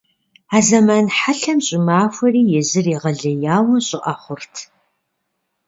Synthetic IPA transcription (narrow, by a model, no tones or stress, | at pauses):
aːzɐmɐnħaɬɐmɕʼɪmaːfʷɐriːjɛzɨriːʁɐɮɐjaːwɐɕʼɪʔɐχʷʊrtʰ